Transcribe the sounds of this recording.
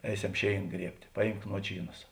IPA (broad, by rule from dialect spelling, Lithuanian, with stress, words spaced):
ˈɛɪˌsʲɛm ˈʃʲeːɪn ˈɡrʲiɛpʲtʲ ˈpɑːˌjiːmk ˈnuɔt͡ʃʲiːˌnɐs